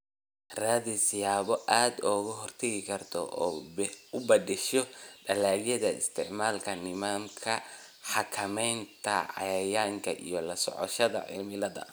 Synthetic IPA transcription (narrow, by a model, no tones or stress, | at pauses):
raːðisɪjaːβɔʔaːd̪ɔːɣʊɦɔrt̪ʰɐɣɪkʰɐrt̪ʰɔ̰ʔɔːʊbɐdɪʃɔɖɐlaːɣjɐðɐɪ̰st̪ʰɪʕmaːlkʰɐnɪmaːmkʰɐ | ħɑkʰɐmɛjnt̪ʰɐ̰ʕɑ̰jɐjaːŋkʰɐʔḭjɔlɐsɔ̰ʕɔ̰ʃɐðɐ̰ʕɪ̰lmɪlɐðɐ̰